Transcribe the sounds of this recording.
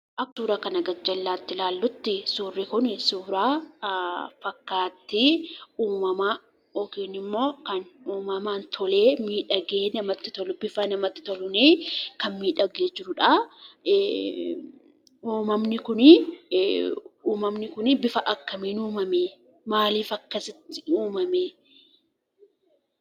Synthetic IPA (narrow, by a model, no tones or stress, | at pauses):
ʔɐkːuːɾaːkɐnɐɡɐd͡ʒɐlːaːt̪ːɪlaːlːʊt̪ːɪsuːrːɪkʊnsuːɾaː | fɐkːaːt̪ːɪuːmɐmɐ | ɔkiːnɪmːo̞ːkɐnuːmɐmaːnt̪ʰɔle̞ːmiːᶑɐɡeːnɐmɐt̪ːɪ̥t̪ɔlʊbɪfɐnɐmɐt̪ːɪ̥t̪ɔlʊneːkɐnmiːᶑɐɡeːd͡ʒɪɾʊᶑɐ | uːmɐmnɪkʊnɪ | uːmɐmnɪkʊnɪbɪfɐʔɐkːɐmiːnuːmɐmeː | maːliːfɐkːɐsɪt̪ːɪuːmɐmeː